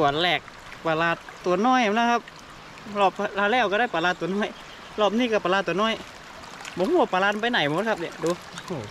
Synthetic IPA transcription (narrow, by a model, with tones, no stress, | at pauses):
tu˨˩ənlɛː˧˩k̚ | pa˧laː˧˩t̪ːu˨˦ənɔː˧˥˩jha˧˦nla˧˥˩kʰa˧˥p̚ | lɔː˧˩plaː˧˩lɛː˧˩wkaː˧˩daː˧˥˩jpa˨˧laː˧t̪ːu˩˦nɔː˧˥˩j | lɔː˧˩p̚niː˧˩˨ka˧˩pa˧laː˧t̪ːu˨˩ə˦nɔː˧˥˨j | mɔ˧˦hːa˧˩pa˧laː˧npa˧jna˨˩˦jm˧o˧˦t̪̚kʰa˧˥p̚ni˧˩duː˧huː˧˩